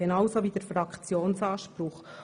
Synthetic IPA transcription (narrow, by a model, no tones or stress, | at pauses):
ɛnɑwsoʋidəɾfɾɑkχt͡sjoːnsɑːʃpɾʊχ